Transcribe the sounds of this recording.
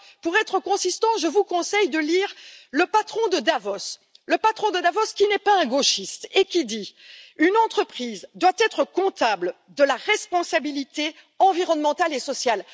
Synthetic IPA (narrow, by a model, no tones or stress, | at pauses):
puʁɛt̪χəkɔ̃sist̪ɑ̃ʒəvukɔ̃sɛjd̪əliːʁləpat̪χɔ̃d̪əd̪avɔs | ləpat̪χɔ̃d̪əd̪avɔskʲinɛpaɛ̃ɡoʃist̪ekʲid̪iynɑ̃t̪χəpχizd̪wat̪ɛt̪χəkɔ̃t̪abl | d̪əlaʁɛspɔ̃sabilit̪e | ɑ̃viʁɔnmɑ̃t̪alesɔsjal